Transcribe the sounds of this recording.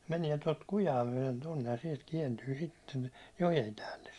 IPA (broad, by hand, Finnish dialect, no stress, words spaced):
mæniɛ tot kujɑː myæ̹len tonːej jɑ siɛlt kiɛntyː sitːen jojem pæːlːes